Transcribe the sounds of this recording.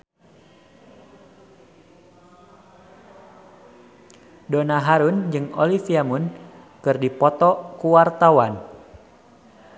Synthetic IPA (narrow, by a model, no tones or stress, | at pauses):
donaɦaɾund͡ʒɨŋɔ̰lifiamun | kɨrdipɔt̪ɔkuwart̪awan